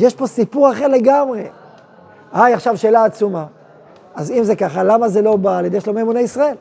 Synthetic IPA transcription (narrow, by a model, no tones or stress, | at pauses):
jeʃpo̞sipuʁaχe̞ʁle̞ɡamʁe̞ | ajaχʃavʃe̞ːlaːt͡suma | azimze̞kaχalamaze̞lo̞baːljedejʃlomemuneisʁae̞l